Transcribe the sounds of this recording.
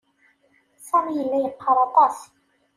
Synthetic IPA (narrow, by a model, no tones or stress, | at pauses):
sɑmijəlːæjəqʰːɑɾˤɑt̪ˤɑs